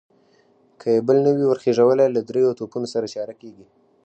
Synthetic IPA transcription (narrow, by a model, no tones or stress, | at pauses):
kʰəjebəlnəwiwəɾxeʐawəlalad̪ɾejot̪opunosaɾat͡ʃɑɾakeɡi